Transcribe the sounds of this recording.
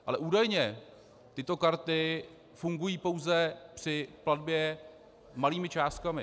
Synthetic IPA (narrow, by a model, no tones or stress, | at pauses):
ʔalɛʔuːdajɲɛ | t̪ɪt̪o̞kaɾt̪ɪ | fuŋɡujiːpo̞wzɛpr̥ɪpladbjɛ | maliːmɪt͡ʃaːst̪̚kamɪ